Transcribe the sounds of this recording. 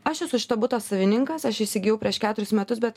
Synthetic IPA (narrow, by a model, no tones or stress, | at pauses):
ɐʃjɛsʊʃʲɪ̥t̪ɐbʊt̪ɐsɐʋʲɪnʲɪŋkɐsɐʃɪʃʲsʲɪɡʲɪjɛʊpʲɾʲiɛʃkʲæːt̪ʊɾʲʊsmʲɛt̪ʊs̬bʲɛt̪